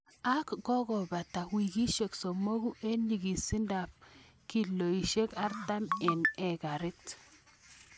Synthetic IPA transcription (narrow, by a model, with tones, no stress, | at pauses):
a˦kːɔ˦ɡɔ˨ba˨ta˨wi˨ɡi˦ʃe˨kso˨mo˦ɡu˦ʔe˦nɲi˨ɡi˨si˦nda˨p̚ | ki˨lːo˨i˨ʃe˦ka˦ɾta˦mɛ˨nɛ˨ɡa˨ɾɪ˦t